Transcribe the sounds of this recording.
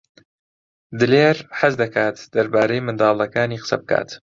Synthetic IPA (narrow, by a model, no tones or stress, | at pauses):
d̪ɨleːɾħazd̪ɐkaːt̪d̪̥ɐɾbaːɾejmɨnd̪ɑːlˠɐkaːniːqə̥sɐ̰bɨkʰa̰ːt̪